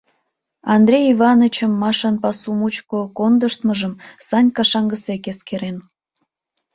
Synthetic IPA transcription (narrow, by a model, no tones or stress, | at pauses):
ɑnd̪rʲejiβɑnət͡ɕəmːɑʃɑnpɑsumut͡ɕkokond̪əʃt̪məʒəmsɑnʲkɑʃɑŋɡəsekeskeɾen